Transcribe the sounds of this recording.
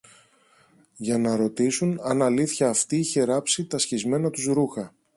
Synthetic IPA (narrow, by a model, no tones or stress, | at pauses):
ʝɐnɐɾo̞t̪isunɐnɐliθçɐːft̪iiçe̞ɾɐpsit̪ɐsçizme̞nɐt̪uzɾuxɐ